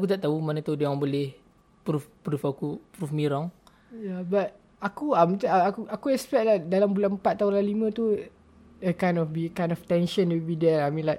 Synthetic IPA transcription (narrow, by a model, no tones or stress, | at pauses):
akut̪aʔt̪aumanə̃t̪udaãŋbolɪh | pɾufpɾufakupɾufmiɾɔŋ | jabat̪̚ | akuamət̪aakuʔakuɛspɛʔ̚lahdalambulanəmpat̪ːaũnlalimə̃t̪u | əkajnɔfbikãjnɔft̪ɛ̃nʃə̃ntubidɛlamĩnlaʔ